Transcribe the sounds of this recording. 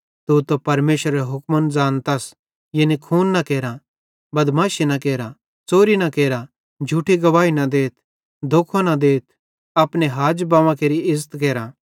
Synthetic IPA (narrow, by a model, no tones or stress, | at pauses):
t̪ut̪opɐɾmeːʃɾeɦʊkmənd͡zaːnt̪ɐs | jenikʰuːnːɐkeːɾa | bɐd̪maːʃenɐkeːɾa | t͡soːɾinɐkeːɾa | d͡ʒʱuːʈʰiɡɐʋaːinɐd̪eːt̪ʰ | d̪ʱoːkʰonad̪eːt̪̚ʰ | ɐpneɦaːd͡ʒbãːʋãkeːɾiɪzət̪k̬eːɾa